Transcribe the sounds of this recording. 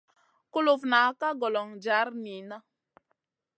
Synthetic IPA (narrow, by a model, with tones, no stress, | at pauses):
ku˦lo˨fna˨˦ka˦ɡɔ˨lɔ˨ŋd͡ʒa˨˦ɾni˨na˦